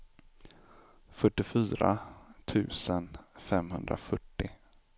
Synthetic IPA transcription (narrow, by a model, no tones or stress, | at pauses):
fœʈːɪfyːɾa̰t̪ʰʉ̟ːsənfɛmɦɵnd̪ɾa̰fœʈːɪ